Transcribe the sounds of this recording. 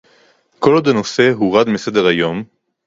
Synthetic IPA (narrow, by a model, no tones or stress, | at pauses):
kolod̪eno̞se̞ɦuʁad̪mesed̪eʁajo̞m